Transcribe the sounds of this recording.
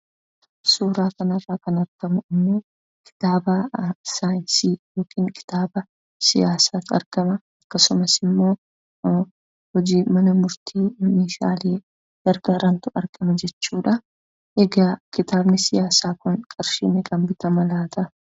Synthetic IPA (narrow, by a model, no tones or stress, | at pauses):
suːɾaːkɐnɐfaːkɐnɐɾɡ̥ɐmʊɪmːoː | kʰɪ̥t̪aːbɐsaːjɪnsiːjo̞ːkʰiːŋkʰʼɪ̥t̪aːbɐ | sɪjaːsaːt̪ɐ̰ɾɡɐmɐ | ɐkːɐsʊmɐsɪmːo̞ː | hɔd͡ʒiːmɐnɐmʊɾt̪ʰiːmeːʃa̰ːleː | d̪̥ɐɾɡɐɾɐnt̪ʊɐɾkʼɐmɐd͡ʒɛt͡ʃːuːᶑɐ | ʔeɡaːkɪt̪aːbnɪsɪjaːsaːkʊnkʼɐɾʃḭːnɛkʼɐmbɪt̪ɐmɐlaːt̪ʰɐ